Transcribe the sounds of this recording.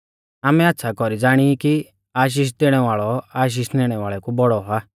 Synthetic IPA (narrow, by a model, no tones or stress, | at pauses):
aːmɛat̪ːsʰakɔɾid͡zaːɽ̃iki | aːʃ̬iːʃ̬d̪eːɽ̃ɛʋaːɭɔaːʃ̬iːʃneːɽ̃ɛʋaːɭɛkubɔɽɔɦa